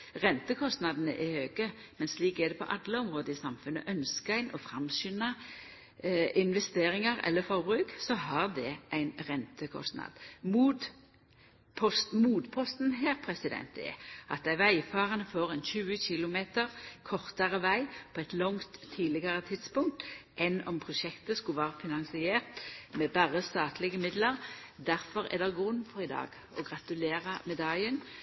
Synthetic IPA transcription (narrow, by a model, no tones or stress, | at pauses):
ʁɛnt̪əkʰɔst̪nɑd̪ənə̰ʔɛhøːɡə | mɛnsliːkɛd̪ɛpʰɔ̰ʔɑd̪ləɔmʁoːd̪əɪsɑmfʉnːə̰ʔœnskəæɪnɔfʁɑmsʏnɑ | ɪnʋɛst̪eːʁɪŋɑʁɛ̰lːəfɔʁbʁʉːksɔɦɑʁd̪ɛʔæɪnʁɛnt̪əkʰɔ̰st̪nɑ̰d̪̥muːd̪ | pʰɔst̪muːd̪pʰɔst̪n̩ɦæːʁpʰʁɛsɪd̪ɛ̰nt̪ɛ̰ʔɑt̪̚d̪æɪʋæɪfɑːʁənəfoːʁɛnçʉːəçɪlʊmeːt̪əʁkʰɔʁt̪əʁəʋæɪpʰoɛt̪lɔŋt̪ʰːiːlɪɡəʁət̪ʰɪd̪spʊŋk̚t̪ʔɛnɔ̰mpʰʁʊʃɛkt̪əskʉʋæːʁəfɪnɑŋsɪeːʁt̪mɛbæːʁəst̪ɑːt̪lɪɡəmɪd̪ləʁd̪æʁfɔʁɛ̰d̪ɛɡʁʉnːfɔʁɪd̪ɑ̰ːɡ | ɔɡʁɑt̪ʉleːʁəmɛd̪ɑlɪən